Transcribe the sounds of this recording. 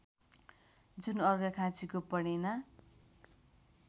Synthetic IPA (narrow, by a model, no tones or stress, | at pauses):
d͡zunʌrɡʌkʰãt͡sikopʌɽena